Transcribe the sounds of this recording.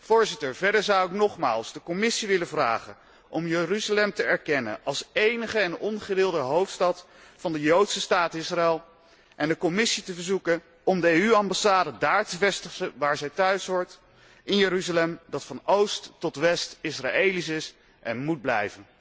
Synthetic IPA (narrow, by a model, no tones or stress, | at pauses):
v̥ʊːɹzɪtəɹvɛɹdəɹzɑwɪknɔχma̰ːlˠzdəkɔmɪsiʋɪləvra̰ːχən | ʔɔmjəryzalɛmtəɛɹkɛnə̰nʔɑlˠsejnəχəɛnɔnχədɪːlˠdəɦowftstɑt | fɑndəjowtsəstaːtɪsraɛlˠ | ʔɛndəkɔmɪsitəvəɹzukə | ɔmdəejyɑmbasaːdədaːɹtəvɛstəχəʋaːɹzɛjtœɥsʋɔɹt | ɪnjəɾyzalɛmdɑtfɑnowstːɔtʋɛstɪsra̰ejlis̬ɪs | ʔɛnmud̚blɛ̰jvən